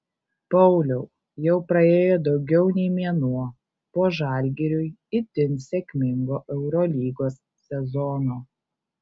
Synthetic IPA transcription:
pɐʊlʲɛʊ | jɛʊpɾɐeːjoːd̪ɒʊɡʲɛʊnʲɛɪmʲiɛnuɔ | poːʒɑˑlʲɡʲɛɾʲʊjɪt̪ʲɪnsʲɛkʲmʲɪŋɡoːʔɛʊɾɔlʲiːɡoːsːʲɛzɔnoː

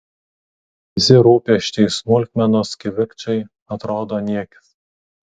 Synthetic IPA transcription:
ʋʲɪsʲɪɾuːpʲɛʃʲt͡ʃ̪ʲɛɪsmʊlʲkʲmʲɛnoskʲɪʋʲɪkt͡ʃʲɛɪ | ɐt̪ɾoːd̪oːnʲiɛkʲɪ̥s

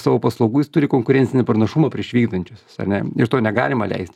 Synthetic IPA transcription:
sɑːʋoːpɐslˠɐʊɡuːjɪst̪ʊɾʲɪkoːŋkʊɾʲɛnʲt͡ssʲɪnʲɪpɾɐnɐʃumɐpʲɾʲiɛʃʋʲiːɡd̪ɐnʲt͡ʃʲʊsɐ̰rnʲɛɪɾt̪oːnʲɛɡɑ̰ːlʲɪmɐlʲɛ̰ɪsʲt̪ʲ

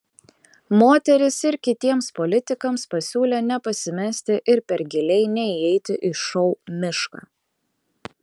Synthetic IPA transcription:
moːt̪ʲɛɾʲɪsɪɾkʲɪt̪ʲiɛmspɔlʲɪt̪ʲɪkɐmspɐsʲuːlʲeːnʲɛpɐsʲɪmʲɛsʲt̪ʲɪʔɪɾpʲɛɾɡʲɪlʲɛɪnʲɛiɛɪt̪ʲɪʔɪʃɔʊmʲɪʃka̰ː

